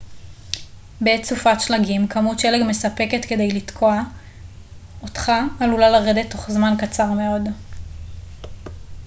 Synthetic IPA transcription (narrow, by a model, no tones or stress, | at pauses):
bett͡sufatʃlaɡimkʰamutʃeleɡme̞sape̞ke̞t̪ke̞de̞jlit̪kʰo̞a | otχaːlulalaʁed̪et̪ːo̞χzmankat͡saʁme̞o̞d